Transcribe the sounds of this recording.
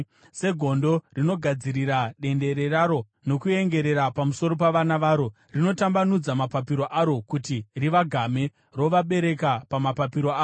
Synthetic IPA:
se̞ɡʱo̞ndo̞rino̞ɡʱad͡ziɾiraɗe̞nde̞ɾe̞raɾo̞ | no̞kue̞ŋɡe̞ɾe̞ɾapamuso̞ɾo̞paʋanaʋaːɾo̞ | rino̞tambanud͡zamapapiɾo̞ʔaɾo̞kutiriʋaɡʱame̞ | ro̞ʋaɓe̞ɾe̞kapamapapiɾo̞aː

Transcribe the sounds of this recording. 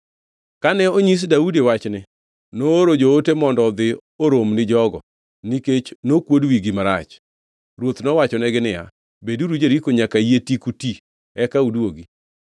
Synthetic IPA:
kanɛoɲis̬daudewat͡ʃnɪ | noːɾod͡ʒootemɔndɔd̪ɪ | oɾomnɪd͡ʒɔɡɔ̰ | niket͡ʃnokwodwiɡimaɾa̰t͡ʃ | ɾwot̪nɔwat͡ʃɔnɛɡɪnɪja̰ | beduɾud͡ʒeɾikoɲakajetikuti | ɛkaudwoɡi

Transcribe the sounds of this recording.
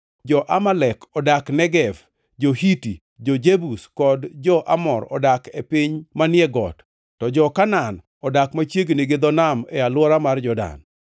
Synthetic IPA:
d͡ʒɔʔamalɛkʰɔdaknɛɡɛv | d͡ʒohiti | d͡ʒɔd͡ʒebuskɔdd͡ʒɔʔa̰mɔɾɔ̰dakepiɲmanɪɛɡɔ̰tː | ɔd͡ʒɔkanan | ɔdakmat͡ʃjeɡneɡed̪ɔnamɛalwɔɾamard͡ʒɔda̰n

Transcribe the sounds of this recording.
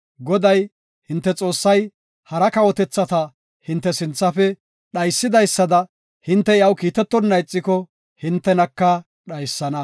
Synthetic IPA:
ɡɔd̪ɐj | hɪnt̪ːɛt͡sʼo̞ːsːɐj | hɐɾɐkɐwɔt̪ɛt͡sːɐt̪ɐ | hɪnt̪ːɛsɪnt͡sːɐfɛ | ɗɐjsːɪd̪ɐjsːɐd̪ɐ | hɪnt̪ːɛjɐwkiːt̪ɛt̪ːɔnːɐjt͡sʼːɪkɔ | hɪnt̪ːɛnɐkːɐ | ɗɐjsːɐnɐ

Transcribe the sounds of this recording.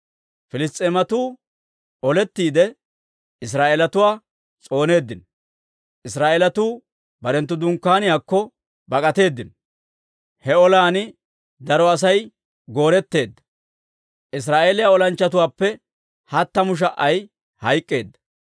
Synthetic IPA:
fɪlɪst̪ʼːemɐt̪uː | ʔɔlɛt̪ːiːd̪ɛ | ɪs̬ɾaːʔeːlɐt̪ʊwaː | t͡sʼo̞ːne̞ːd̪ːɪn | ʔɪsɾaːʔelɐt̪uː | bɐɾɛnt̪ːʊd̪ʊŋkːaːnɪjaːkːɔ | bɐkʼɐt̪e̞ːd̪ːɪn | hɛɔlaːnɪ | d̪ɐɾɔɐs̬ɐj | ɡo̞ːɾɛt̪ːe̞ːd̪ːɐ̥ | ʔɪs̬ɾaːʔeːlɪjaɔlɐnt͡ʃːɐt̪ʊwaːpːɛ | hɐt̪ːɐmʊʃ̬ɐʔːɐj | hɐjkʼːe̞ːd̪ːɐ̥

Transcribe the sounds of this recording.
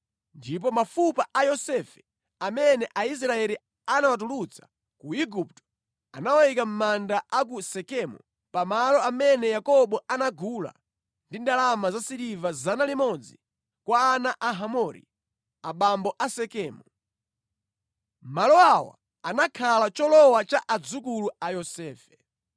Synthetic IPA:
ndip̬ɔmafupaʔajɔsɛfɛ̥ | amɛnɛʔais̬ɾaɛɾi | anawat̬ulut͡sʰḁ | kuiɡup̚tɔ̥ | anawaikam̩mandaʔak̬usɛkɛmṵ | pamalɔamɛnɛjakɔɓɔanaɡula̰ | ndindalamazasiɾivazanalimɔd͡zi | kwaːnaʔaɦamɔɾḭ | aɓambɔʔasɛkɛːmu | m̩malɔawa̰ | anakʰalat͡ʃɔlɔwat͡ʃaʔad͡zukuluajɔsɛːfɛ̥

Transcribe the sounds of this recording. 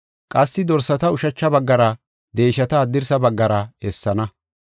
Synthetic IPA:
kʼɐsːɪd̪ɔɾsɐt̪ɐʊʃɐt͡ʃːɐbɐɡːɐɾɐ | d̪e̞ːʃɐt̪ɐːd̪ːɪɾsɐbɐɡːɐɾɐɛsːɐnɐ

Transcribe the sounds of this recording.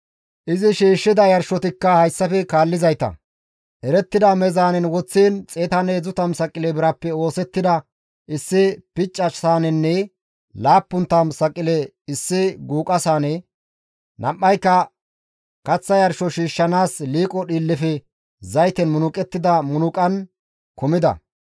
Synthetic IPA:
ʔɪzɪʃiːʃːɪd̪ɐjɐɾʃɔt̪ɪkːɐhɐjsːɐfɛkaːlːɪzɐjt̪ɐ̰ | ʔɛɾɛt̪ːɪd̪ɐmɛzaːnɛnwɔt͡sːiːnt͡sʼeːt̪ɐnɛzʊt̪ɐmsɐkʼːɪlɛbɪɾɐpːɛo̞ːsɛt̪ːɪd̪ɐ | ʔɪsːɪpɪt͡ʃʼːɐsaːnɛnːɛ | laːpːʊnt̪ːɐmsɐkʼːɪlɛ | ɪsːɪɡuːkʼɐsaːnɛ | nɐmʔːɐjkːɐ | kɐt͡sːɐjɐɾʃɔʃiːʃːɐnaːsliːkʼɔɗiːlːɪfɛ | zɐjt̪ɛnmʊnʊkʼɛt̪ːɪd̪ɐmʊnʊkʼɐn | kɔmɪd̪ɐ̰

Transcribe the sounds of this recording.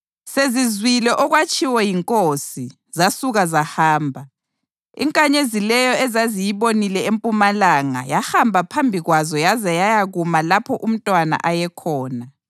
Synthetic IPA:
sezizwilɛʔɔɣwat͡ʃʼiwɛjiŋkʼosi | zasuɣazahaːmbʱa | ḭŋkʼaɲezilɛjɔɛzazijiβonilɛempʼumalaŋa̰jahambʱapʰambʱiɣwazɔjazɛjajaɣumalapʰɔʔum̩tʼwana̰ʔajɛkʰɔːna

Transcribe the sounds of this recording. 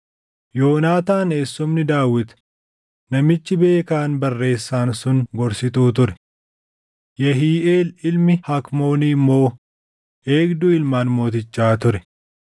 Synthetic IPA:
jo̞ːnaːt̪aːne̞ːsːɔmnɪd̪aːwɪt̪ | nɐmɪt͡ʃːɪbe̞ːkaːnbɐrːe̞ːsːaːnsʊnɡɔɾsɪt̪uːt̪ʊɾɛ̥ | jɐɦiːeːlɪlmɪhɐkmo̞ːniːmːo̞ː | e̞ːɡd̪ʊɪlmaːnmo̞ːt̪ɪt͡ʃːaːt̪ʊɾɛ

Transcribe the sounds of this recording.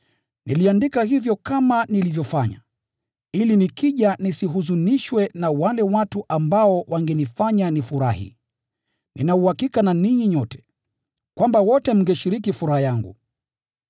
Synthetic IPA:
niliandikahivjɔkamanilivjɔfaɲa̰ | ilinikiʄanisiɦuzuniʃwɛnawalɛwatuʔambaɔwʔaŋɡɛnifaɲanifuɾahḭ | ninauhakikananiɲiɲɔtɛ̥ | kwambawɔtɛm̩ŋɡɛʃiɾikifuɾahajaŋɡṵ

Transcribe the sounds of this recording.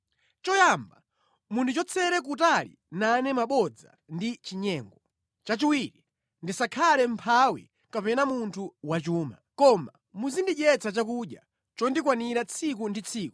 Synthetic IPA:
t͡ʃɔjamba | mundʰut͡ʃɔt͡sʰɛɾɛk̬utalḭ | nanɛmaɓɔd͡za̰ | ndit͡ʃiɲɛːŋɡɔ | t͡ʃat͡ʃiwiɾi | ndisakʰalɛm̩pʰawḭ | kapɛnamuntʰuwat͡ʃuːma̰kɔma̰ | muzindiʄɛt͡sʰat͡ʃakuɗja̰ | t͡ʃɔndikwaniɾat͡sʰik̬undit͡sʰiːku̥

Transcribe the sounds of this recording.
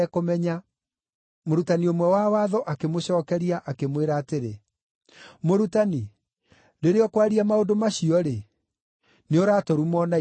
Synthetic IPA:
ɛkomɛɲa | moɾutaniomwɛwawaðɔʔakemoɕɔːkɛɾiaʔakemweɾaːteɾe | moɾutani | deɾeɔkwaɾiamaondomaɕiɔɾe | neoɾaːtɔɾumɔna

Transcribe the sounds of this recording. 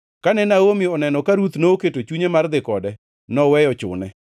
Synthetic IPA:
kanɛnaomiɔnɛnɔkaɾut̪nooketot͡ʃuɲemard̪ɪkɔdɛ | nɔwɛjɔt͡ʃʊ̰nɛ

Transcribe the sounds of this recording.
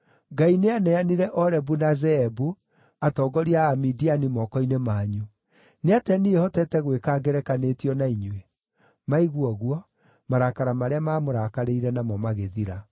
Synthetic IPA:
ɡaineanɛaniɾɛʔɔɾɛbunazɛɛbu | atɔːɡɔɾiaːmidianimɔːkɔinemaːɲu | neatɛniehɔtɛtɛɣwekaɡɛɾɛkanetiɔnaiɲwe | maiɣwɔɣwɔ | maɾakaɾamaɾeamaːmoɾakaɾeiɾɛnamɔmaɣeðiɾa

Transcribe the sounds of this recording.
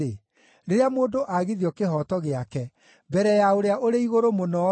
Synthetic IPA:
e | ɾeɾeamoːndoʔaɣiðiɔkeɦɔtɔɣeakɛ | bɛɾɛjaoɾeaʔoɾeiɣoɾomonɔ

